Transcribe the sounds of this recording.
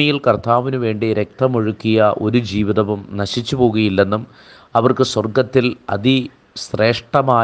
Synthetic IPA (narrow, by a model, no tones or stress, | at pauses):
ɐjilkɐrt̪ʰaːʋinuʋe̞ːɳɖiɾe̞k̚t̪ɐmoɻukːijɐʔo̞̰ɾud͡ʑiːʋiðɐʋumnɐɕit͡ɕːupo̞ːɣɐjilːe̞nːum | ɐʋɐrkɨswɐrɡɐt̪ːilɐ̰ði | sre̞ːʂʈɐmaː